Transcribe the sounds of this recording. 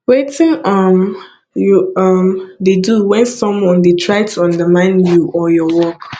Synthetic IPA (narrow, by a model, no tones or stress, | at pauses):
wetɪ̃ŋʌm | jʌmdeduwɛ̃nsɔ̃mwɔ̃ndetʰɹaɪtʰuãndəmãɪ̃njuʔɔjɔwɔk